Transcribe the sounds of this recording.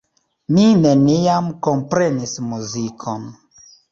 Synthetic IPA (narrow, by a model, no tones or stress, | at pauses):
mineniamkompɾenismuzikʰon